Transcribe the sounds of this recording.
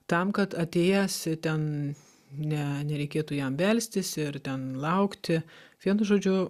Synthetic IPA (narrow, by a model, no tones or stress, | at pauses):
t̪ɐmkɐt̪ɐt̪ʲeːjæst̪ʲɛn | nʲɛnʲɛɾʲɛɪkʲeːt̪uːjɛmʋʲɛlʲsʲt̪ʲɪsɪɾt̪ʲɛnlˠɐʊkt̪ʲɪʋʲiɛnʊʒoːd͡ʒʲʊ